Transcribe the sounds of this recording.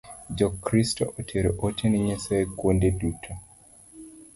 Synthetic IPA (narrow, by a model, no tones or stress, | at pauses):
d͡ʒɔkɾistɔʔotʰeɾoʔotʰeniɲesajkwondedutʰo